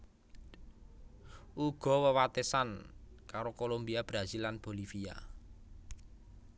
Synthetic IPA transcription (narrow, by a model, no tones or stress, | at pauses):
ʔuɡ̥ɔ̤wəwat̪esankaɾokolombiab̥ɾazilːanb̥o̤lifia̰